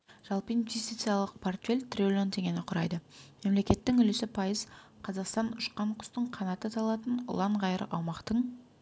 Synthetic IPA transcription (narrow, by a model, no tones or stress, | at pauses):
ʒ̥ɑlˠpəinvʲest̪it̪sijɑlˠəq̚pʰo̞rt̪fʲe̞lʲt̪rʲiolʲo̞nt̪e̞ŋʲe̞nɪqʰʊɾɑ̰jd̪əme̞mle̞kʲe̞t̪ːɪŋʏlɪsɪpʰɑjəzqʰɑzɑqst̪ɑnʊʃqɑɴqʰʊ̥st̪əɴqʰɑnɑt̪ət̪ʰɑlˠɑt̪ənʊ̰lˠɑɴʁɑjəɾʔɑ̰wmɑqt̪əɴ